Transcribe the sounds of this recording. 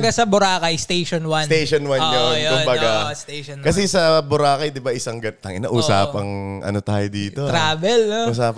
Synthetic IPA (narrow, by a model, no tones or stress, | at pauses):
ɡasɐbʊɾaːkɐjst̪ejʃonwɐnt̪ejʃonwanjonjokʊbɐɡast̪eʃnkɐs̬ɛsɐbʊɾaːkɐjd̪ɪbaʔɪsɐŋɡɐnt̪ɐŋʔɪnɐʔuːsaːpɐŋʔɐ̰not̪aːjod̪iːt̪oɾaːbɛloʔuːsaːp